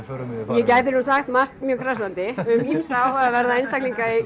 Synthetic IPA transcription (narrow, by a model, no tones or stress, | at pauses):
jɛcajðɪnuːnsaɣst̪mast̪mjœːkʰɾas̬ant̪ɪʏmimsawhaavɛɾðaejnst̪akliŋkaɪ